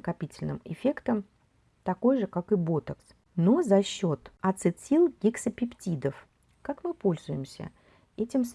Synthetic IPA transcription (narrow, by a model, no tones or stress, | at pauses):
kɐpʲitʲɪlʲnɨ̰mɪ̰fʲe̞kt̪əm | t̪ɐko̞jʐɨkakɨbo̞t̪əks | nozɐɕːo̞t̪ɐt̪sɨt̪sʲilˠɡʲiksəpʲɪptʲid̪əf | kakmɨpo̞lʲzʊjɪmsʲə̰ | ɛtʲɪms